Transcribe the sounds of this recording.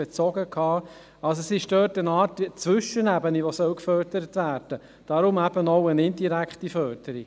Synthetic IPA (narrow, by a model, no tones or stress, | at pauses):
et͡sɔɡəkʰhɑː | ɑls̬oɛsɪʃd̥œːtənɑːɾtit͡sʋʏʃənæbəniʋosœwkfœdəɾətʋæːɾd̥ə | d̥ɑɾʊmæb̥ənɔʊənɪndiɾækχtifœːɾd̥əɾi